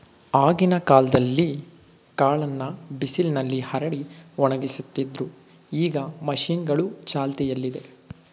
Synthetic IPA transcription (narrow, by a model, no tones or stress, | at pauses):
aːɡinɐkaːlɐd̪ɐlːi | kaːɭɐnːɐbisilnɐlːihɐɾɐɽiɔɳɐɡisut̪ːid̪ɾu | iːɡɐmɐʃiːnɡɐɭut͡ʃaːlt̪ɛjɐlːid̪e̞